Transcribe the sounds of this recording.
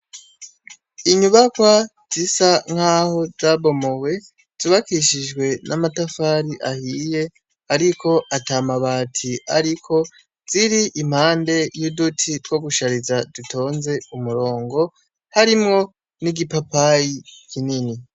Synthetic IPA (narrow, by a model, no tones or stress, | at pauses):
iɲuβakwa | z̥isaŋ̥haːho̞zaβo̞mo̞we̞ | z̥uβakiʃid͡ʒɡwe̞nʔamatafaɾiʔahiːje̞ | aɾiko̞ʔatamaβaːtʰiaɾikʰo̞ | z̥iɾiʔim̥haːnde̞judutʰitɡ̥o̞ɡuʃaɾizadutʰo̞ːnze̞umuɾo̞ːŋɡo̞ | haɾimŋo̞ | niɡipapajikinini